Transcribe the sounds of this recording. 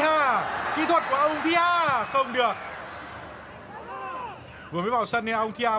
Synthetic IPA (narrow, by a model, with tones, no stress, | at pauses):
haː˧˩kḭ˧˥t̪ʰwə˨˩t̚ku˧˩əʔə˧wŋ͡mt̪ʰi˨˧˦ʔaː˧˩xə˧wŋ͡mɗɨ˨˩ək̚ | vu˨˩əmaː˨˦jvaː˧˩wsə˧nːe˧ʔə˧wŋ͡mt̪ʰi˧ʔaː˧